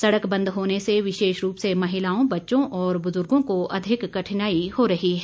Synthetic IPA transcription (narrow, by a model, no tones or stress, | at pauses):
sɐɽəkbɐ̃nd̪ɦoːneseʋɪʃeːʃɾuːpsemɐɦɪlaːõbɐtːʃõʔɔːɾbʊzʊɾɡõkoɐd̪ʱɪkːɐʈʰnaːihoɾɐɦiɦɛː